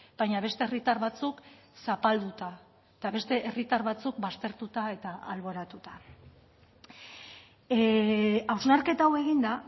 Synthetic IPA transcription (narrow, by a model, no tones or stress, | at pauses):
b̥ajɲaβe̞st̪e̞ːrit̪aɾβat͡suk | sapald̪ut̪a | et̪aβe̞st̪e̞ʔerit̪aɾβat͡suk̚bast̪e̞ɾt̪ut̪ae̞t̪aa̰lβo̞ɾat̪ut̪ḁ | awznaɾke̞t̪awe̞ɣ̞ind̪a